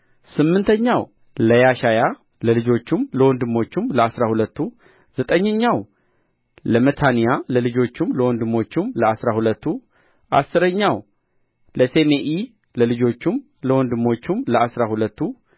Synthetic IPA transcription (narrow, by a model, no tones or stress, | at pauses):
sɨmːɨnt̪ʰəɲːaw | ləjaʃaja | ləlɨd͡ʒo̞t͡ʃːumləwɔnd̪ɨmo̞t͡ʃːumləasɾahulət̪ʰːu | z̥ət̪ʼəɲːəɲːaw | ləmət̪ʰanijaləlɨd͡ʒo̞t͡ʃːumləwɔnd̪ɨmo̞t͡ʃːumləasɾahulət̪ːu | ʔa̰sːɨɾəɲːaw | ləse̞meʔi | ləlɨd͡ʒo̞t͡ʃːum | ləwɔnd̪ɨmo̞t͡ʃːumləasɾahulət̪ʰːu